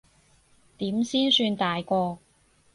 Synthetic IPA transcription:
t̪iː˨˥msiː˥nsyː˧nt̪aː˨jkʷɔː˧

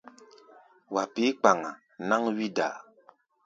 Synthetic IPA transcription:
wa˨pi˦k͡pa˨ŋa˨ | na˦ŋwi˦da̰˨

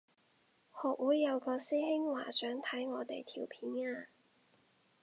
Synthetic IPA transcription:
hɔː˨˩k̚wuː˨˥jːɐ˨˧wkɔː˧siː˥hɪ˥ŋwaː˨˩sœː˨˥ŋt̪ʰɐ˨˥jŋɔː˨˧t̪e˨jt̪ʰiː˨˩wpʰiː˨˥naː˧

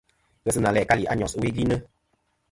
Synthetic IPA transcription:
ɣə˦sɨ˦nã˨lɛ˨ka˦li˨a̰˦ɲɔ̃˨swe˦ɡli˦nə˦

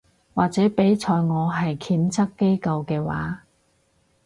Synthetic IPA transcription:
waː˨k̚t͡sɛː˨˥pe˨˥jt͡sʰɔː˧jŋɔː˨˧ɦɐ˨jkʰiː˨˥nt͡sʰɐ˥kːe˥jkɐ˧wkɛː˧wa̰ː˨˥

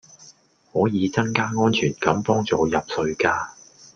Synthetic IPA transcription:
hɔː˨˥jiː˨˧t͡sɐ˥ŋkaː˥ŋɔː˥nt͡ʃʰyː˨˩nkɐ˨˧˥mpɔː˥ŋt͡sɔː˨˧jɐ˨p̚sɵ˧ɥkaː˧

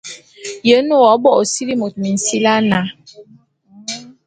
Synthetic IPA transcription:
jə˨˦no˦˨ɔ˨˦bɔ˦˨si˦ɾi˦mo˨t̚mi˨n̩˨si˦la˦na˨˦

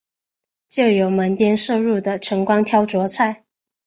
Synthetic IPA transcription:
t͡ɕjo˥˩ʊjo˧˥ʊmə˧˥npjɛ˥nʂɤ˥˧ɻu˥˩d̪ə˩ʈ͡ʂʰɤ˧˥ŋkwɑ˥ŋt̪ʰjɑ˥ʊt͡swɔ˧˥t͡sʰa˥˩ɪ

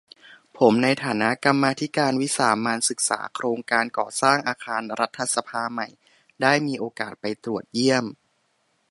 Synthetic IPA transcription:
pʰo˩˦mna˧jt̪ʰaː˩˦na˦˥ʔka˧mːaː˧t̪ʰi˦˥kaː˧nwi˦˥saː˩˦maː˧nsɯ˨˩k̚sa̰ː˩˦kʰɾoː˧ŋkaː˧nkɔː˨˩saː˥˩ŋʔaː˧kʰaː˧nɾa˦˥t̪ʰːa˧sa˧pʰaː˧ma˨˩j | daː˥˩jmiː˧ʔoː˧kaː˨˩t̪̚pa˧jt̪ɾu˨˩ət̪̚ji˥˩əm

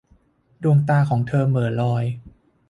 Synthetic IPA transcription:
du˧əŋt̪aː˧kʰɔː˩˦ŋt̪ʰɤː˧mɤː˩˦nlɔː˧j

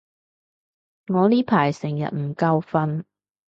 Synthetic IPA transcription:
ŋɔː˨˧liː˥pʰaː˨˩jsɪ˨˩ŋjɐ̰˨t̚m̩˨˩kɐ˧wfɐ˧n

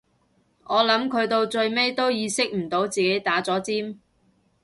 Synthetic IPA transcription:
ʔɔː˨˧lɐ˨˥mkʰɵ˨˧ɥt̪o˧wt͡ʃɵ˧ɥme˥jt̪o˥wjiː˨˧sɪ˥k̚m̩˨˩t̪o˨˥wt͡siː˨ke˨˥jt̪aː˨˥t͡sɔː˨˥t͡siː˥m

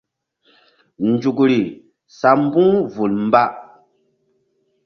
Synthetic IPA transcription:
n˨d͡ʒu˨kɾi˨ | sa˨m˦bu˦ŋvu˨lm̩˦ba˦ʔ

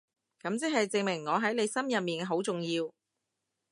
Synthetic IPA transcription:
kɐ˨˥mt͡sɛ˥ɦɐ˨jt͡sɪ˨ŋmɪ˨˩ŋːɔː˨˧ɦɐ˨˥jnle˨˧jsɐ˥mjɐ˨p̚miː˨˩nɦo˨˥wt͡sʊ˨ŋjiː˧w

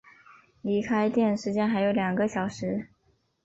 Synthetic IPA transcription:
li˧˥kʰa˥ɪt̪jɛ˥˩nʂɻ̩˧˥t͡ɕjɛ˥nxa˧˥ɪjo˧˥ʊljɑ˨˩ŋɡə˦ɕjɑ˨˩ʊʂɻ̩˧˥

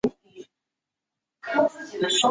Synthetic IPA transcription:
kʰɤ˥t͡sɹ̩˥˩t͡ɕi˨˩d̪ə˦ʂo˥

